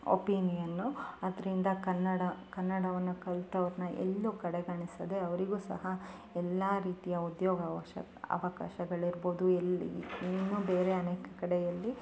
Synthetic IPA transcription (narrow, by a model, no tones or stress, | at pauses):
o̰piːnijɐnːuɐd̪ɐɾind̪ɐkɐnːɐɽɐkɐnːɐɽɐʋɐnːukɐlt̪ɐʋɐɾɐnɐʔḛlːukɐɽeɡɐɳisɐd̪e̞ɐʋɐɾiɡuːsɐ̰ɦɐ | ɛlːaːɾiːt̪ijɐud̪joːɡɐʋɐʃɐ̰ | ɐ̰ʋɐka̰ːʃɐɡɐɭiɾbo̞ːd̪uelinːuːbeːɾeɐneːkɐkɐɽejɐlːi